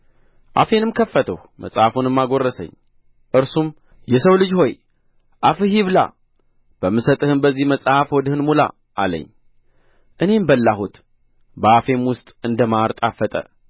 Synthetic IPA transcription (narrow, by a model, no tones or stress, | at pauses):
ʔa̰fe̞nɨmkʰəfːət̪ʰəhmə̰sʼhafunɨmːaɡo̞rːəsə̰ɲː | ʔɨɾsum | jɛsəwlɨd͡ʒho̞j | ʔafɨɦiβla̰ | b̥əmːɨsət̪ʼɨhɨnbəzːihməsʼhafwɔd̪ɨhɨnmula̰ | ʔalə̰ɲː | ʔɨne̞mbəlːahut̪ | bəafe̞mwʊst̪ʼɨnd̪əmaɾt̪ʼafːət̪ʼə̰